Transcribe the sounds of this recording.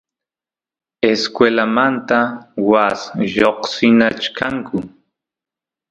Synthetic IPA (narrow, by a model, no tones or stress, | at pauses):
eskwelamant̪awasʒoqsɪnat͡ʃkʰaŋkʰʊ